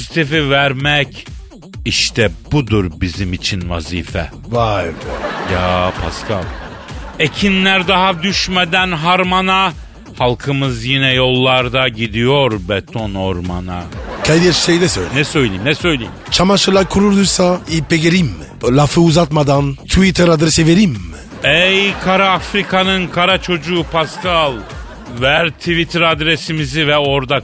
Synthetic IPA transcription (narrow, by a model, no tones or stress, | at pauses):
zit̪ʰifivæɾmɛc | iʃt̪ʰɛb̥ud̪uɾbizimit͡ʃʰinva̰ziːfɛ | vajjaːpʰa̰skʰalˠecʰinlʲæɾd̪aɦad̪yʃmed̪ænɦaɾmana | halˠkʰɯmɯzjinɛjo̞lˠːaɾd̪aɟid̪ijo̞ɾbet̪ʰonoɾmanakʰajd̪ijɛt͡ʃsejd̪ɛsø̰jnɛsø̞jlʲḛjimnɛsø̞jlʲejimt͡ʃʰamaʃɯlˠakʰuɾuɾd̪uɾsaipeɡeɾim | lafɯuzat̪mad̪ant̪ʰuvit̪ʰɛɾad̪ɾesiveɾim | ɛjkʰaɾaːfɾikʰanɯnkʰaɾat͡ʃʰo̞d͡ʒuːpʰaskʰalˠ | væɾt̪ʰivit̪ʰɾad̪ɾesimizivɛo̞ɾd̪a